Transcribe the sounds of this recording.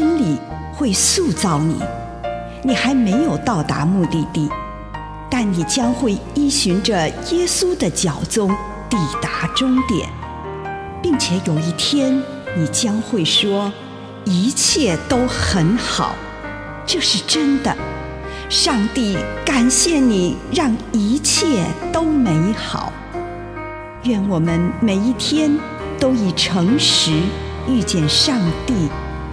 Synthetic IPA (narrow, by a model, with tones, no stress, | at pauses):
ə˥nli˨˩ | xwe˥˩˧ɪsu˥˧t͡sɑ˥˩ʊnḭ˨˩˦ | ni˨˩xa˧˥ɪme˧˥ɪjo˨˩ʊt̪ɑ˥˩ʊt̪a̰˧˥mu˥˧t̪i˥˧t̪i˥˩ | t̪a˥˩nni˨˩t͡ɕjɑ˥ŋxwe˥˩ɪi˥˩ɕy˧˥ŋʈ͡ʂə˧jɛ˥su˥d̪ə˨t͡ɕjɑ˨˩ʊt͡sʊ˥ŋ | t̪i˨˩t̪a˧˥ʈ͡ʂʊ˥ŋt̪jɛ̰˨˩˦n | pi˥˩ŋt͡ɕʰjɛ˧˩˥jo˨˩ʊi˥˩t̪ʰjɛ˥n | ni˨˩t͡ɕjɑ˥ŋxwe˥˩ɪʂwɔ˥ | i˧˥t͡ɕʰjɛ˥˩t̪o˥ʊxə˧˥nxɑ̰˨˩˦ʊ | ʈ͡ʂɤ˥˧ʂɻ̩˥˩ʈ͡ʂə˥nd̪ə̰˨ | ʂɑ˥˧ŋt̪i˥˩ka˨˩nɕjɛ˥˩ni˨˩ɻɑ˥˩ŋi˧˥t͡ɕʰjɛ˥˩t̪o˥ʊme˧˥ɪxɑ̰˨˩˦ʊ | ɥɛ˥˩nwɔ˨˩mə˦nme˨˩ɪi˥˩t̪ʰjɛ˥n | t̪o˥ʊi˨˩ʈ͡ʂʰɤ˧˥ŋʂɻ̩˧˥ | y˥˧t͡ɕjɛ˥˧nʂɑ˥˧ŋt̪i˥˩